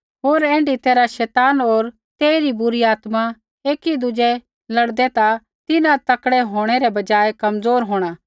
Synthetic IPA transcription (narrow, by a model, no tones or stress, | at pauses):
ɦoːɾɛ̃ːɳɖit̪eːɾaʃɛːt̪aːnoːɾ | t̪eːiɾibʊɾiaːt̪ma | eːkid̪ʊd͡ʒɛ | lɐɽd̪ɛt̪a | t̪ɪnãt̪ɐkɽɛɦoːɽ̃ɛɾɛbɐd͡ʒaːekɐmd͡zoːɾɦoːɽ̃aː